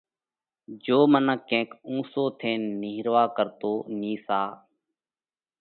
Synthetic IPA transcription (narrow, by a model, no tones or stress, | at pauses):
d͡ʒoːmənəkːẽːkũːsoːt̪ʰeːnːiɦɾʋaːkəɾt̪oːniːsaː